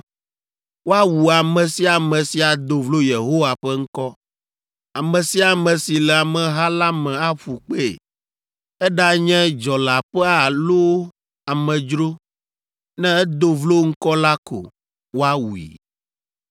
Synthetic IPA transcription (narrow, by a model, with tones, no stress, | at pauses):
wo˦a˦wu˨a˨mɛ̃˨si˦a˨mɛ̃˨si˦a˨d̪o˨vlo˦je˨ɦo˦wa˨ɸɛ˦ŋ̩˦kɔ˦ | a˨mɛ̃˨si˦a˨mɛ̃˨si˨lɛ˨a˨mɛ̃˨ɦa˦la˦mɛ̃˨a˦ɸu˨k͡pḛ˦˨ | ɛ˦ɖa˦ɲɛ̃˦d͡ʒɔ˨la˨ɸɛ˦a˨lo˦ | a˨mɛ̃˨d͡ʒɾo˦ | nɛ̃˦ɛ˦d̪o˦vlo˦ŋ̩˦kɔ˦la˦kʰo̰˨ | wo˦a˦wu˨ḭ˨